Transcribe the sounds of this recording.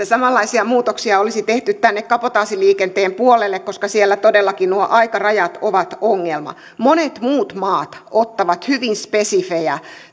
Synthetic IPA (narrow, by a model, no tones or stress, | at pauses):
esɑmɑlːɑisiɑmuːt̪oksiɑolisit̪eht̪yt̪t̪ænːekkɑpot̪ɑːsiliːkent̪eːmpuolelːekkoskɑsielːæt̪odelːɑkinuoʔɑikɑrɑjɑt̪oʋɑt̪oŋːelmɑ̰ | monet̪muːt̪mɑːt̪ot̪ːɑʋɑt̪hyʋinspesifejɑ